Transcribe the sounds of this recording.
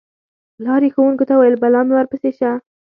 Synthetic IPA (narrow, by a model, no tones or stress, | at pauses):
lɑɾexawuŋkot̪awajəlbalɑmewaɾpəseʃa